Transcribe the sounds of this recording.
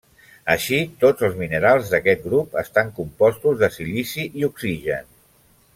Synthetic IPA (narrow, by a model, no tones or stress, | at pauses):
əʃit̪od͡zəlˠzminəɾalˠzðəkɛt̪̚ɡɾupə̰st̪aŋkumpɔst̪uzðəsilisiʔiuksiʒə̰n